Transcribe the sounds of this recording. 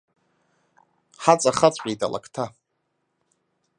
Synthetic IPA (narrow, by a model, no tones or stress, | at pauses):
ħat͡sʼaχat͡sʷʼqʲʼeta̰la̰kʰtʰa